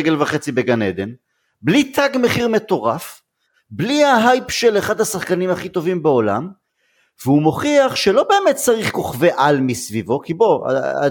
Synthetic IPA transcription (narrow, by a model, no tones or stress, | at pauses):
ɡelvaχe̞t͡sibe̞ɡaned̪en | blit̪ʰaɡme̞χiʁme̞t̪o̞ʁaf | blihaɦajpʃeleχad̪hasaχkanimaχit̪o̞vimbeo̞la̰m | veumo̞χiaχʃelo̞be̞ːmet̪̚t͡saʁiχko̞χve̞ʔalmisvivo̞kibo̞a̰